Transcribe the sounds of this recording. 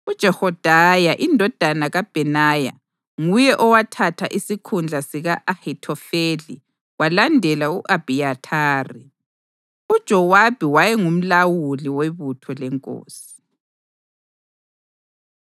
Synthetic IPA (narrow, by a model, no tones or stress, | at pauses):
ud̥ʒ̥ʱɛhɔd̥ʱajaʔindʱɔd̥ʱanaɣab̥ʱɛnaja̰ | ŋujɛʔɔwatʰatʰaʔisikʰund͡ɮʱasiɣaʔahitʰɔfeli | walandʱɛlauʔab̥ʱijatʰaːri | ud̥ʒ̥ʱɔwab̥ʱiwajɛŋum̩lawuliwɛβutʰɔlɛŋkʼo̰ːsi̥